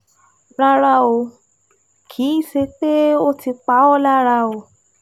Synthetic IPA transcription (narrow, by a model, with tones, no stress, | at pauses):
ɾa˦ɾa˧o˧ | kʰi˨˦i˦˨se˧k͡pe˦o˦ti˧k͡pa˨˦ɔ˦la˦ɾa˧o˧